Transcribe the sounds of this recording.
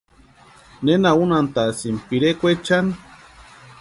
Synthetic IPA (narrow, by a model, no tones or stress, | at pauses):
nenaunant̪asimpiɾekʷet͡ʃan